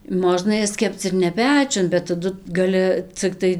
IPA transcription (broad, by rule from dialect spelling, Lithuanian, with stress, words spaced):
ˈmoːʒnɐ ˈjɛs ˈkʲɛpt͡s ɪr nʲɛ ˈpʲæːt͡ʃʲʊn bʲɛt tɐˈdʊ ɡɐˈlʲɪ t͡sʲɪkˈtɐɪ